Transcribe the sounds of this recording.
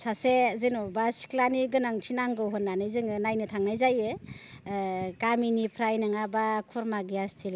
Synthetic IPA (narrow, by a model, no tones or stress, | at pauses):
sasezɯnɔbasi̥klaniɡɯnaŋtʰinaŋɡɯwɦɔnːanɯjzɯŋɯnajnɯtʰaŋnajzajɯ | kaminipʰɾajnɯŋabakʰuɾmaɡiastʰil